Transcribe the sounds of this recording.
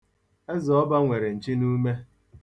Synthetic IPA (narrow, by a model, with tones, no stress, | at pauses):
e˦zɔ˨ɔ˦ba˦ŋʷe˨ɾe˨n̩˨t͡ʃi˦nu˦me˦